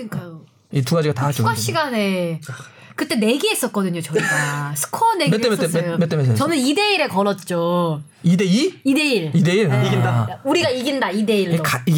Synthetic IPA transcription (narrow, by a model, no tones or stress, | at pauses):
ɯɲik͈ao | ituɡad͡ʑiɡatasokʰaɕ͈ʰiɡane̞ | kɯt͈e̞ne̞ɡies͈ʌt̚k͈ʌdɯɲot͡ɕʌiɡasʰɯ̥kʰʌneɡett͈ːemsemeomett͈ːemeʌnɯnide̞iɾekʌɾʌt̚t͡ɕ͈o | ideiide̞iɾideiɭiɡindauɾiɡaiɡindaide̞iɭːoai